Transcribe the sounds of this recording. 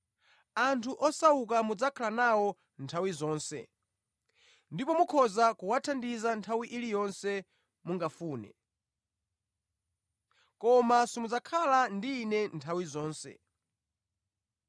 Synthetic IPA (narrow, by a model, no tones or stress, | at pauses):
antʰuʔɔsaukamud͡zakʰalanawɔ | ntʰawizɔːnsɛ̰ | ndipɔmukʰɔzakuwatʰandizantʰawiʔilijɔnsɛ | muŋɡafuːnɛ̰ | kɔmasimud͡zakʰalandiːnɛntʰawizɔːnsɛ̰